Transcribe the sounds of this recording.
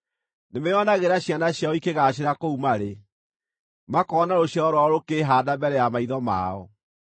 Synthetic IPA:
nemeɔnaɣeɾaɕjanaɕjaɔikeɣaɕeɾakoumaɾe | makɔɔnaɾoɕjaɔɾwaɔɾokeɦaːdabɛɾɛjamaiðɔma̰ɔ

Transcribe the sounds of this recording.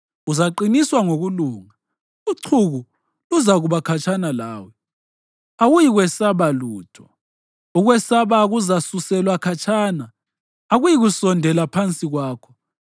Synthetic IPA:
uzaǃiniswaŋoɣuluːŋa | uǀʰuɣu | luzaɣuβakʰat͡ʃʼanala̰ːwɛ | aɣujiɣwɛsaβaluːtʰɔ̥ | uɣwɛsaβaɣuzasusɛlwakʰat͡ʃʼʰaːnaː | ɣujiɣusɔndʱɛlapʰant͡sʼiɣwaːkʰɔ̥

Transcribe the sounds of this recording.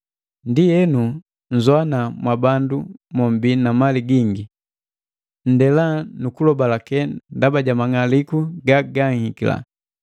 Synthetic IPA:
ndijɛnu | ɲ̩zwanamwabandumɔmbinamaliɡiŋɡi | n̩dɛlanukulɔbalakɛndabaɟamaŋalikuɡaɡaŋhikila̰

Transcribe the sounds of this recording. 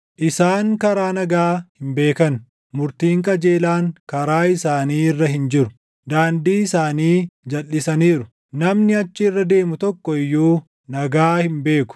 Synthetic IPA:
ʔɪsaːŋkɐɾaːnɐɡaːhɪmbe̞ːkɐn | mʊɾt̪iːŋkʼɐd͡ʒe̞ːlaːŋkɐɾaːɪsaːniːɪrːɐɦɪnd͡ʒɪɾʊ | d̪aːnd̪iːɪsaːniːd͡ʒɐlːɪsɐniːɾʊ̥ | nɐmnɪɐt͡ʃːɪːrːɐd̪e̞ːmʊt̪ɔkːɔɪjːuː | nɐɡaːhɪmbe̞ːkʊ̥

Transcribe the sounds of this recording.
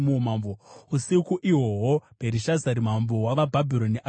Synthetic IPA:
muomamvousikuʔiɦo̞ɦopeɾiʃazaɾim̤amvowaʋabʱabʱiɾo̞niʔa

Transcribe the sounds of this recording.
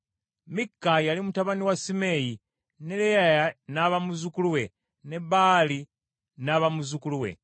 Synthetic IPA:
mikːajalimutaβaniwasime̞ji | ne̞lejajanaβamuzukuluwe | neβaːli | naβamuzukuluwḛ

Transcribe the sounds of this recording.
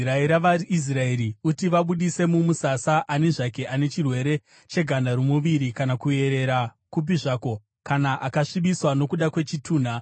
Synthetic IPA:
raeɾaʋaɾiʔis̬raeɾiutiʋaɓuɗise̞mumusasaʔane̞ʐake̞ʔane̞t͡ʃirwe̞ɾe̞ | t͡ʃe̞ɡʱanaɾomuʋiɾikanakue̞ɾe̞ɾa | kup̬iʐaːko̞ | kanaʔakaʂiɓiswano̞kuɗakwe̞t͡ʃitʰuːn̤a

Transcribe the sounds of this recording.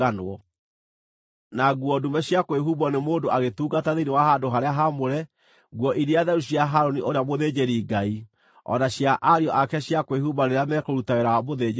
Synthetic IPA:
anwɔ | naɣwɔdumɛɕjakweɦubɔnemoːndoʔaɣetuːɡataðeinewaɦadoɦaɾeaɦamoɾɛ | ɡwɔʔiɾiaðɛɾuɕjaɦaɾoniʔoɾeamoðed͡ʑeɾiːɡai | ɔ̰naɕjaʔaɾiɔʔakɛɕjakwehubaɾeɾeamɛkoɾutaɣeɾawamoðe

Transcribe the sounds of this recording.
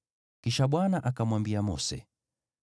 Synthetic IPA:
kiʃaɓwanaʔakamwambiamɔ̰sɛ̰

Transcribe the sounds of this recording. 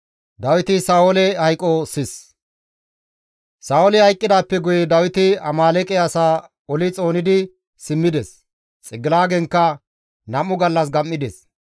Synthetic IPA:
d̪ɐwɪt̪ɪsaːwɔlɛhɐjkʼːɔsɪs | saːɔlɛhɐjkʼːɪd̪aːpːɛɡʊjɛd̪ɐwɪt̪ɪɐmaːlɛkʼɛɐsaː | ɔlɪt͡sʼo̞ːnɪd̪ɪ | sɪmːɪd̪ɛs | t͡sʼɪɡɪlaːɡɛŋkːɐ | nɐmʊɡɐlːɐs̬ɡɐmːɪd̪ɛs

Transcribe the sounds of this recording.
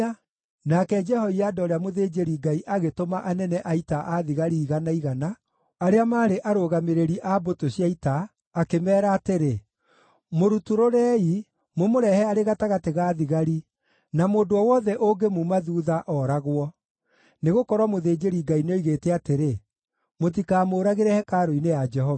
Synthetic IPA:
nakɛd͡ʒɛhɔiadɔɾeamoðeːd͡ʒeɾiɡaiʔaɣetomaʔanɛnɛʔaitaʔaðiɣaɾiːɣanaiɣana | aɾeamaːɾeʔaɾoɣameɾeɾiʔabotoɕjaitaː | kemɛːɾaːteɾe | moɾutuɾoɾɛi | momoɾɛhɛaɾeɣataɣateɣaːðiɣaɾi | namoːdoɔwɔðɛʔoɡemumaðuːðaʔɔɾaɣwɔ | neɣokɔɾwamoðeːd͡ʒeɾiɡainoiɣeːtɛateɾe | mot̬ikaːmoːɾaɣeɾɛhɛkaːɾoinejad͡ʒɛɦɔva

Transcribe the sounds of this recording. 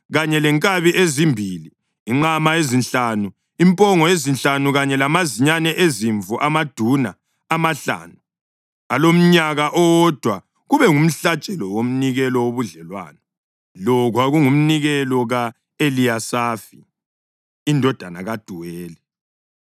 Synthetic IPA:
ɣaɲɛlɛŋkʼaβiʔezimbʱiliː | ŋ͡ǁamaezinɬanu | impʼɔŋɔjezinɬanuɣaɲɛlamaziɲanɛʔeziɱvuʔamad̥ʱuna̰ | amaɬa̰ːnu | alom̩ɲaɣaʔɔwɔd̥ʱwa | ɣuβɛŋum̩ɬat͡ʃʼɛlɔwom̩niɣɛlɔwoβuɮɛlwa̰ːnɔ | lɔɣwaɣuŋum̩niɣɛlɔɣa | eliasaːfi | indʱɔd̥ʱanaɣad̥ʱuwɛːlɛ

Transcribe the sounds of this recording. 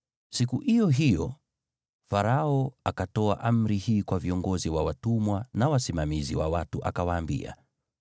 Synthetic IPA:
sikuhijɔɦijɔ | faɾaɔakatɔa̰ʔam̩ɾihiːkwaviɔŋɡɔziwawatumwanawasimamiziwawatuʔa̰kawaːmbḭa̰

